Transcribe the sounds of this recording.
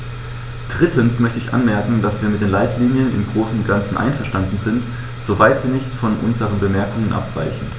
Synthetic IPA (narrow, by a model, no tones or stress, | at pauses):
d̥ʁɪtən̩smœçtəɪçʔa̰nmɛɐkŋ̩dasv̥iːɐmɪtd̥eːnlaɪtʰliːnjənɪ̰mɡʁoːsn̩ʊntɡ̥ant͡sn̩ʔa̰ɪnfɛɐʃtandn̩zɪnt | z̥ovaɪtz̥iːnɪçtfɔnʔʊ̰nzəʁənbəmɛɐkʊŋənʔa̰pv̥a̰ɪçn̩